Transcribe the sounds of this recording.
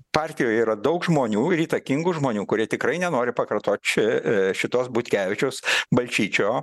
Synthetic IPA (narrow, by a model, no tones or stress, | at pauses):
pɑrʲt̪ʲɪjoːjiːɾɐd̪ɐʊkʒmoːnʲuːɪɾiːt̪ɐkʲɪŋɡʊʒmoːnʲuːkʊɾʲiɛt̪ʲɪkrɐɪnʲɛnoːɾʲɪpɐkɐrt̪oːt̪ʲt͡ʃʲɪʃʲɪt̪oːsbʊt̪ʲkʲæːʋʲɪt͡ʃʲɛʊsbɐlʲt͡ʃʲiːt͡ʃʲoː